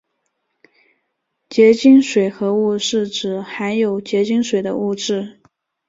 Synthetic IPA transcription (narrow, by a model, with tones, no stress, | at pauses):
t͡ɕjɛ˧˥t͡ɕi˥ŋʂwe˨˩ɪxɤ˧˥u˥˧ʂɻ̩˥˩ʈ͡ʂɻ̩˨˩xa˧˥ɪjo˨˩ʊt͡ɕjɛ˧˥t͡ɕi˥ŋʂwe˨˩ɪd̪ə̰˦u˥˧ʈ͡ʂɻ̩˥˩